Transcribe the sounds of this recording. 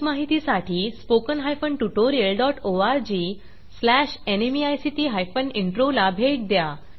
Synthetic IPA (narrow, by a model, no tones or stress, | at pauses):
maɦit̪isaʈʰiːspokənɦajfəɳʈuʈoɾiəlɖɔʈoaɾd͡ʑiː | slæɕenemiajsiʈiːɦajfəniɳʈɾolabʱeʈ̚d̪ja